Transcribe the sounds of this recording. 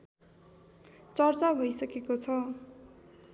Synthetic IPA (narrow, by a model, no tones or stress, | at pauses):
t͡sʌrt͡sabʱʌjsʌkekot͡sʰʌ